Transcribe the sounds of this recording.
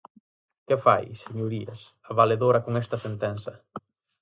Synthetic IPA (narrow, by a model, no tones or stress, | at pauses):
kefa̰jseɲoɾiḛs | aβaleðoɾɐkoŋɛst̪ɐsent̪ɛnsɐ